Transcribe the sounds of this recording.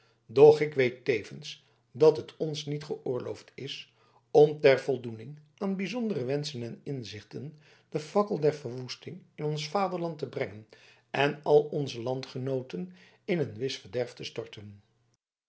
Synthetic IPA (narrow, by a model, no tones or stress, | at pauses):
dɔχɪkʋejtejvəns | dɑtɦətʰɔnsnitχəʔʊːɹlowftɪs | ɔmtɛɹv̥ɔlˠdunɪŋʔaːnbizɔndərəʋɛnsənɛnɪnzɪχtən | d̥əfɑkəlˠdɛɹvəɹʋustɪŋɪnɔnsfaːdəɹlɑntəbrɛŋən | ɛnɑlˠɔnzəlɑntχənowtən | ɪnənʋɪsfəɹdɛɹftəstɔɹtən